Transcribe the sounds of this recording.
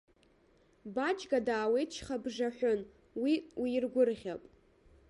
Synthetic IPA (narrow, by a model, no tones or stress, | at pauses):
bat͡ʃʼɡadaːwejt͡ʃʰχabʐaħʷʊn | wiwiːrɡʷʊrʁʲapʼ